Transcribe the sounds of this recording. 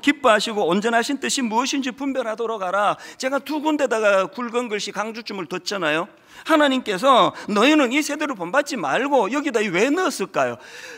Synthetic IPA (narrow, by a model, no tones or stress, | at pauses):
kip͈uɦaɕʰiɡoːnd͡ʑʌnɦaɕʰint͈ɯɕʰimuʌɕʰind͡ʑipumbjʌɾɦadʌɾʌɡaɾat͡ɕe̞ɡatuɡunde̞daɡakuɭɡʌnɡɯɭɕ͈ʰikaŋd͡ʑut͡ɕ͈ʰumɯɭtʌt̚t͡ɕ͈anajo | hanaɲimk͈e̞s̬ʰʌnʌinɯnisʰe̞deɾɯɭponbat̚t͡ɕ͈imaɭɡojʌɡidaiwe̞nɯʌs͈ɯɭk͈ajo̰